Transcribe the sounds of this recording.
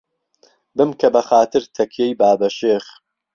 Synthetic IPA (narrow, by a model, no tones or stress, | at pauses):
bɨmkʰɐbɐxaːt̪ɨɾt̪ʰɐkʰjejbaːbɐʃeːχ